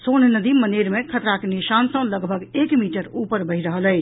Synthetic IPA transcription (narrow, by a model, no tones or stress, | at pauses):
sonnəd̪iməneɾmekʰət̪ɾakenisansə̃ləɡbʱəɡekmiʈəɾupəɾbəɦɪɾəɦələt͡ʃʰ